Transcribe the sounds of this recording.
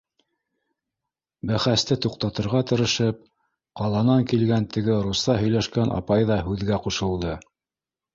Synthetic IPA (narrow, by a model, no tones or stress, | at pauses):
bæχæst̪ɘt̪uq̚t̪ɑt̪ɤ̆ɾʁɑt̪ɤ̆ɾɤ̆ʃɤp̚ | qɑlˠɑnɑŋkilɡænt̪ɘ̆ɡɘɾust̪ɑɦɵ̆jlæʃkænʔɑ̰pɑjðɑɦʉðɡæquʃɤ̆lˠd̪ɤ